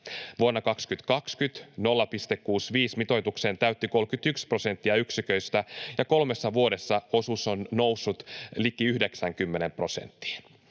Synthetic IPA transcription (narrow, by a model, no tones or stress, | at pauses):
ʋuonːɑkɑkskyt̪kɑkskyt̪no̞lːɑpist̪ekːuːsʋiːsmit̪o̞jt̪uksent̪æyt̪ːiko̞lkyt̪ykspro̞se̞nt̪ːiɑyksikø̞ist̪æjɑko̞lme̞sːɑʋuode̞sːɑo̞susonnowsːut̪likːiyhdeksæŋkymːenempro̞sḛnt̪ːi̥ː